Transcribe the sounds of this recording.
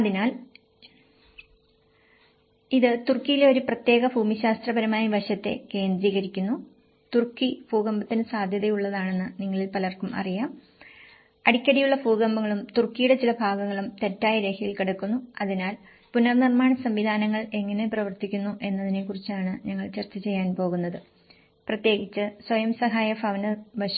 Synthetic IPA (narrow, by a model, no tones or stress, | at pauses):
ɐðinaːl | iðɨt̪urkːijileo̞ɾuprɐt̪je̞ːɣɐbʱuːmiɕaːst̪rɐbɐɾɐmaːjɐbɐɕɐt̪ːe̞̰ke̞ːnd̪ɾiːɣɐɾikʲːunːu | t̪urkːifuːɡɐmbɐt̪ːinɨsaːd̪ʱjɐðɐjuɭːɐðaːɳe̞nːɨniŋːɐɭilpɐlɐrkumɐ̰rijaːm | ɐɽikʲːɐɽijuɭːɐbuːɡɐmbɐŋːɐɭumt̪urkːijuɽe̞t͡ɕilɐbʱaːɡɐŋːɐɭumt̪e̞tːaːjɐɾe̞ːkʰɐjilkiɽɐkːunːuɐðinaːl | punɐrnirmaːɳɐsɐmʋid̪ʱaːnɐŋːɐɭe̞ŋːɐne̞prɐʋɐrt̪ikʲːunːuʔe̞nːɐðine̞kurit͡ɕːaːɳɨɲɐŋːɐɭt͡ɕɐrt͡ɕɐt͡ɕe̞jːaːnpo̞ːɣunːɐðɨ | prɐt̪je̞ːɡit͡ɕːɨswɐjɐmsɐɦaːjɐfɐʋɐnɐbɐɕɐ